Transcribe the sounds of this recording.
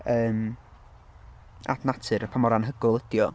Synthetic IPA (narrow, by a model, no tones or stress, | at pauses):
əːm | a̰dnatʰɨɾəpʰamɔɾanɦəɡʊlˠədjɔ